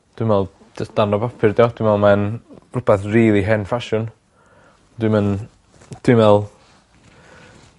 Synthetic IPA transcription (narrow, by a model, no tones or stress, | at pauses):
d̥wɪmvɛlˠ | d̥əsd̥anɔbapʰɪrdjɔd̥wimɛlˠmanrʊpʰɛθriːlˠiɦɛnfaʃʊn | d̥wɨmən | d̥wimvɛlˠ